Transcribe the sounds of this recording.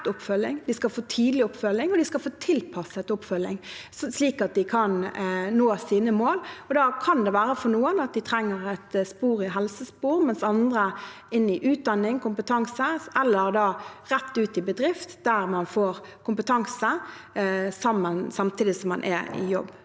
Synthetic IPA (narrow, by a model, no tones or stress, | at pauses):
t̪ʊpːfœlːɪŋd̪ɪskɑlfoːt̪ʰiːd̪lɪʊpːfœlɪŋɔd̪ɪskɑlfoːt̪ʰɪlpʰɑsəɛt̪ʊpːfœlɪ̰ŋ | sliːkɑt̪̚d̪ɪkʰɑnnoːsiːnəmoːlɔd̪ɑkʰɑnd̪ɛʋæːɾəfɔnuːənɑt̪̚d̪ɪt̪ʰɾɛŋːəɾɛt̪spuːʁɪɦɛlsəspuːʁmɛnsɑnd̪ɾə | ɪnːɪʔʉːt̪̚d̪ɑnːɪŋkʊmpət̪ʰɑŋsəɛlːəʁd̪ɑːɾɛt̪ːʉːt̪ɪbəd̪ɾɪft̪d̪æʁmɑnfoːɾ | kʰʊmpət̪ʰɑŋsə | sɑmːənsɑmt̪ʰiːd̪ɪsɔmːɑnʔɛ̰ɪ̰jɔ̰bː